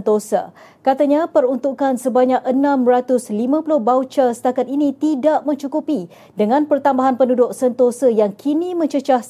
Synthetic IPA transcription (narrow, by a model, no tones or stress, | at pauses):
t̪osə̰ | kat̪aɲapəɾunt̪ukansəbaɲak̚ənãmrat̪ʊslimãpulʊhbawt͡ʃasə̥t̪akat̪init̪idaʔmə̃ɲt͡ʃukupi | dəŋãnpərt̪ambaɦanpənudʊk̚sənt̪osajaŋkʰinimə̃ɲt͡ʃət͡ʃah